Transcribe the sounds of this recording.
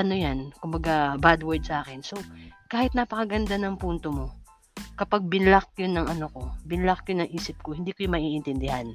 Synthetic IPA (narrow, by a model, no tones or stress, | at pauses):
ʔɐnojankʊmbɐɡabad̪wɛɹd̪̚sɐʔaːkɛnsokaːhɪt̪napɐkɐɡɐnd̪anɐŋpunt̪omo̞ | kɐpaɡ̚bɪnlak̚jonːɐŋɐnoko̞bɪnlakjonɐŋʔiːsɪp̚kohɪnd̪iːkojʊmɐʔiːʔɪnt̪ɪnd̪ɪhan